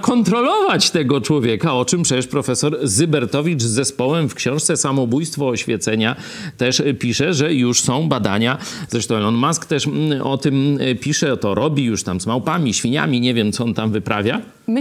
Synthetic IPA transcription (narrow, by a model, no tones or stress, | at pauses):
kɔnt̪ɾɔlɔvat͡ɕt̪ɛɡɔt͡ʂwɔvʲjɛkaɔt͡ʂɘmpʂɛt͡ɕɛʂpɾɔfɛsɔɾzɨbɛɾt̪ɔvʲit͡ʂzːɛspɔwɛmfkɕɔ̃w̃ʂt̪sɛsamɔbujst̪fɔɔɕfʲjɛt̪sɛɲa | t̪ɛʂpʲiʂɛʐɛjuʂsɔ̃w̃bad̪aɲaz̥ɾɛʂt̪ɔ̃w̃ɛ̃ɔnmaskt̪ɛʂɔt̪ɘmpʲiʂɛt̪ɔɾʔɔbʲijuʂt̪amzmawpamʲiɕfʲiɲa̰mʲiɲevʲjɛmt̪sɔɔnt̪amvɘpɾavʲja